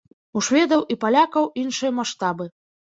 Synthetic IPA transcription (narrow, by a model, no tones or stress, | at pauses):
uʂvʲɛd̪ɐwʔipalʲakɐwinʂɨjɐmaʂt̪abɨ